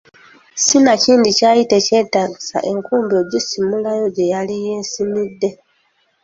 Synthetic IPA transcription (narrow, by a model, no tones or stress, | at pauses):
sinaciːndicaːjite̞ce̞ːtaːɡisa̰ʔe̞ŋkuːmbioɟisimulajo̞ɟe̞jalije̞ːsimidːe̞